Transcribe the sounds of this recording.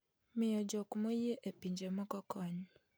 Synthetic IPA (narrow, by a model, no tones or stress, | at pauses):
mɪjɔd͡ʒɔkmojeʔepiɲd͡ʒemɔkɔkɔɲɔ